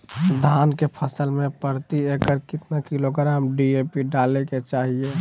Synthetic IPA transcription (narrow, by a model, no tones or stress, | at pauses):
d̪ʱankepʰəsəlmẽpəɾt̪iekəɾkɪt̪nakɪloɡɾamɖiepiɖaːleket͡ʃaːɦie